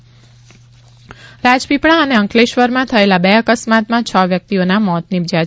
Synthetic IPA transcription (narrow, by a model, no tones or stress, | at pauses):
ɾad͡ʒpipɳ̃aəneəŋkleʃʋəɾmãt̪ʰəelabeəkəsmat̪mãt͡ʃʰəʋjək̚t̪ionamɔt̪nɪbd͡ʒa